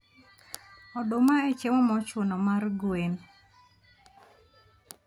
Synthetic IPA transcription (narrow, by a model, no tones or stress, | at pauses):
ɔdomaet͡ʃemɔmɔt͡ʃwonɔmarɡwen